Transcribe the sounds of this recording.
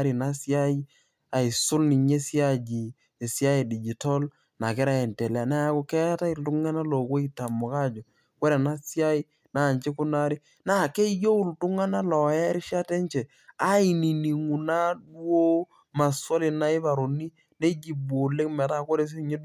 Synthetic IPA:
ɾi˨na˦sja˦i˦ | a˨i˨sʊ˦lni˨ɲe˦sja˦d͡ʒiː˨ | sja˦i˨di˨d͡ʒi˨to˦l | na˨kɪ˦ɾa˦˨ɛ˨nte˨la˨na˦a˦ko˦kɛ˦ta˦i˦ltʊ˦ŋa˦na˦lo˨ko˦i˦ta˨mʊ˨ka˦˨d͡ʒo˨ | ko˦ɾe˨na˦si˦a˦i˦ | na˨nt͡ʃe˦kʊ˦na˦ɾi˦ | na˦˨ke˦jo˦u˦ltʊ˦ŋa˦na˦lɔ˨jɛ˦ɾʃa˦te˦nt͡ʃe˨ | a˦i˨ni˨ni˨ŋu˨na˦du˦o˦ | ma˨swo˦li˨na˦ɪ˦βa˨ɾo˨ni˦ | ne˦d͡ʒi˨bwo˨le˦kmɛ˨ta˦ko˦ɾe˦s̬ɲe˦d

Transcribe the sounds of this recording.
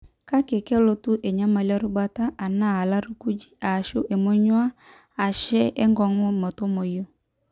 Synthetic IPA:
ka˦ke˨kɛ˦lo˦tu˦ʔɛ˨ɲa˦ma˨la˦ɾo˦ba˦ta˦ʔa˨na˦˨a˨la˦ɾu˦ku˦d͡ʒi˦a˨ʃo˦ʔe˨mo˦ɲwa˦ | a˨ʃɛ˦ɛ˦ŋɡɔ˨ŋo˦mɔ˨to˦mo˨jo˦˨

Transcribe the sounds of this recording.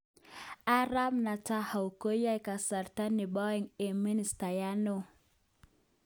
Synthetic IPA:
a˦ɾa˦mna˨ta˦ha˨wko˦ja˦jka˨sa˨ɾta˦ni˨bɔ˦i˨ŋe˨mi˦ni˨sta˨ja˦no˦˨

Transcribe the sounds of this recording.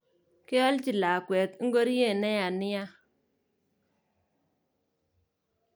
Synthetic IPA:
kɪ˦ɔ˦lt͡ʃi˨la˨kwɛ˨t̪ŋ̩˦ɡo˦ɾi˦je˦˨nɛ˦ja˨nɪ˦ja˦

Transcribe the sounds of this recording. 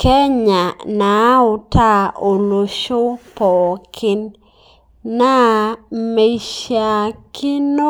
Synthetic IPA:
kɛ˦ɲa˨na˨˦ʊ˨ta˦˨o˨lo˨ʃo˦pɔ˨kʰɪ˦n | na˦me˨ʃja˨kɪ˦no˦

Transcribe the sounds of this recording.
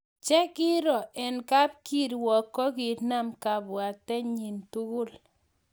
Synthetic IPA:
t͡ʃɛ˦kɪ˦ɾɔ˨ʔɛ˨nka˦b̚ki˦ɾwɔ˨kːɔ˦ki˨ɾna˦mka˨bwa˨t̪ɛ˦ɲi˨ntu˦ɡʊ˦l

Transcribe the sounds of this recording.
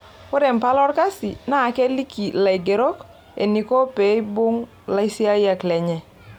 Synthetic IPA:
o˦ɾɛ˨m˨pa˦lɔ˦ɾka˦si˨na˦˨kɛ˦li˦ki˨la˨i˨ɡe˨ɾo˦k | ḛ˨ni˨ko˦pɛ˨˦i˦bʊ˦ŋ | la˦i˦si˦a˦ja˨klɛ˨ɲɛ˨

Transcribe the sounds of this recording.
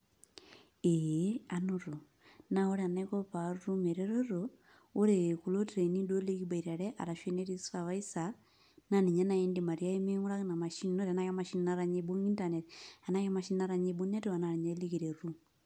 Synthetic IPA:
eanuɾo˨ | na˦o˦ɾea˨ne˦ko˦pa˨ɾu˦me˨ɾeɾo˦ɾo | o˦ɾeku˨lo˦tɾe˨ni˦do˦li˦ɡi˦ba˨iɾa˨ɾe˦ʔa̰˨ɾa˨ʃe˦ne˦ɾi˦sava˦isa | na˦ni˨ɲa˦na˨i˦ndima˨ɾia˦i˦me˦ŋu˦ɾa˦kna˨ma˨ʃi˦nno˦ɾa˨na˦ja˦ma˨ʃi˦nnaɾa˦ɲebo˦ŋi˦ntaneta˨na˦je˦ma˨ʃi˦nna˦ɾa˦ɲebu˦ne˦ti˦wa˨na˨ni˨ɲa˦liɡiɾe˨ɾu˦

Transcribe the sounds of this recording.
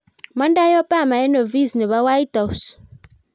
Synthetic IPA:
ma˦nda˦jɔ˦pa˦˨ma˨ɛ˦nɔ˨vi˦znɛ˨βa˦wa˦jta˨us

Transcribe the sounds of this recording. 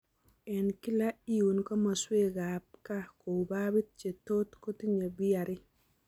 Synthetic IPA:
ɛ˨nki˦la˦i˦u˨nkɔ˦ma˨swe˦ɡa˨p̚ka˦ko˨ba˦bi˦t̚t͡ʃe˨to˦t̪ko˦ti˦ɲe˨bɪ˦a˨ɾɪ˦

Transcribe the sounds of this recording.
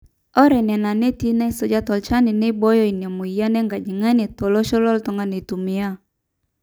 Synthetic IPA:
ɔ˦ɾɛ˨nɛ˨na˨ne˦ti˦na˦i˦so˦d͡ʒa˦tɔ˨lt͡ʃa˦nɪ˨ne˦bɔ˦jɔ˦i˨na˨mo˨i˨ja˦nɛ˦ŋɡa˨d͡ʒi˨ŋa˦ne˨tɔ˨lɔ˦ʃɔ˦lɔ˦ltɔ˨ŋɡa˦ne˨tu˨mɪ˦a˦˨

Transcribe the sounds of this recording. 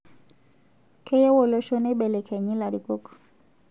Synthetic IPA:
kɛ˦ja˦wɔ˨lɔ˨ʃɔ˦nɛ˦ɓɛ˨lɛ˨kʰɛ˨ɲi˦la˨ɾi˨kɔ˦kɔ̥˨

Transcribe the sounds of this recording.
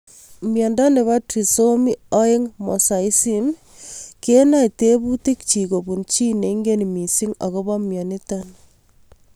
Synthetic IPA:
mjɔ˨nda˦ne˨βa˦tɾi˨so˦mi˦ɔ˦e˦ŋmɔ˨sa˨i˦si˦m | ke˦na˦ite˦bu˦ti˦kt͡ʃi˨ko˨bu˨nt͡ʃi˦ne˨ŋɡe˦ni˨mi˨si˦ŋa̰˨ko˦ba˦mjɔ˨ni˦tan

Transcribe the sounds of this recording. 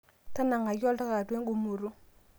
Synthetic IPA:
ta˦na˨ŋa˨jɔ˦lta˦ka˨dwe˦ŋɡu˨mu˨ɾu˦

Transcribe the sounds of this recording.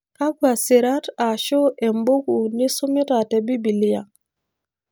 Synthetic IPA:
ka˦ɡwa˨si˨ɾa˦ta˨ʃo˦ʔɛ˨mbo˦ku˨ni˦su˦mi˦ta˨tɛ˨bi˦bi˨li˦ja

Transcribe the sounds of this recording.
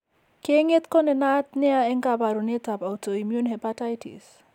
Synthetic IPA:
ke˦ŋe˦t̪kɔ˦nɛ˨na˦t̚nɪ˦a˦ɛ˦ŋkaba˨ɾu˨ne˦ta˨pa˨u˨to˨i˨mju˦nhɛ˨pata˦jtḭs

